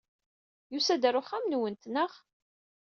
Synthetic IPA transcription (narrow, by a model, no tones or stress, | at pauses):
jusæd̪əɾʊχæmnwənt̪nəʁ